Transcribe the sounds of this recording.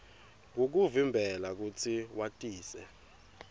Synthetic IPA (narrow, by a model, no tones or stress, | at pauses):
ŋok̬uvimbʱɛlak̬ut͡sʰiwatʼiːsɛ̰